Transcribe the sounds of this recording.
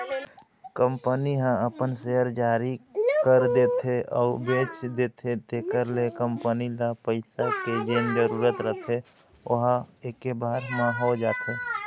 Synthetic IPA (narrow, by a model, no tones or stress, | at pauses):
kəmpəniɦãəpənseəɾd͡ʒaːɾikəɾd̪eːt̪ʰeɔːɾbeːt͡ʃd̪eːt̪ʰet̪eːkəɾlekəmpənilapəɪsaked͡ʒeːnd͡ʒəɾuːɾət̪ɾət̪ʰe | ʊɦaeːkebaːɾmãɦod͡ʒaːt̪ʰeː